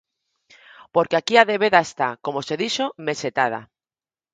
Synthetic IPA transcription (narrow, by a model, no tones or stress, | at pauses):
poɾkeakiaðe̞βeðaest̪ako̞mose̞ðiʃome̞set̪að̞a̰